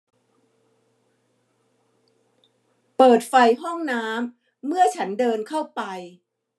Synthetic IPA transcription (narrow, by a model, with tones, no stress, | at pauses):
pɤː˨˩t̪̚fa˧jɦɔ˥˩ŋnaː˦˥mː | ɯ˥˩ɐt͡ɕʰa˦˥ndɤː˧nkʰa˥˩wpa˧j